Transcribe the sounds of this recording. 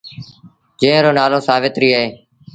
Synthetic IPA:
d͡ʒẽːɾoːnaːlõːsaːʋɪt̪ɾiːaːɦeː

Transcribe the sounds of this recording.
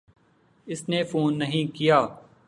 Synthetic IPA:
ɪsnefoːnːɐɦĩkijaː

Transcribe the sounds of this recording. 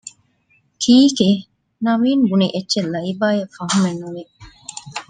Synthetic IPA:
kʰiːke | nɐʋiːnbuniʔetːʃelːɐibaːjɐfɐɦumenːuʋe

